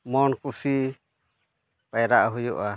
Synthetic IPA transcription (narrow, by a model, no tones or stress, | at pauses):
mɔnkusi | pajɾaʔɦujṵʔa